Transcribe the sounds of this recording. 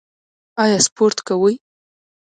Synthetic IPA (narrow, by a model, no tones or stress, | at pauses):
ɑjɑspoɾt̪kawəj